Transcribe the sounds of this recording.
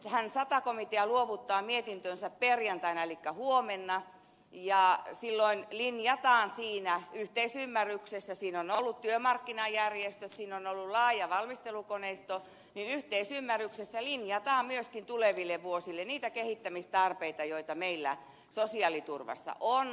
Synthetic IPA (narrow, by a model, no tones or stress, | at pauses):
hænsɑt̪ɑkomit̪eɑluoʋut̪ːɑːmiet̪int̪ønsæpperjɑnt̪ɑinɑelikːæhuomenːɑ | jɑsilːoinlinjɑt̪ɑːnsiːnæyht̪eisymːæryksesːæsiːnonolːut̪t̪yømɑrkːinɑjjærjest̪øt̪siːnonolːullɑːjɑʋɑlmist̪elukoneist̪o | ninyht̪eisymːærːˑyksesːælinjɑt̪ɑːmmyøskint̪uleʋilːeʋʋuosilːeniːt̪ækehit̪ːæmist̪ɑrpeit̪ɑjoit̪ɑmeilːæ̰ | sosiɑlit̪urʋɑ̰sːɑ̰ʔon